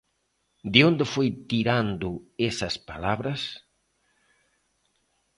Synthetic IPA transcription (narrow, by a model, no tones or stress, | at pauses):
d̪ɪõnd̪ɪfojt̪iɾand̪ʊesɐspalaβɾɐs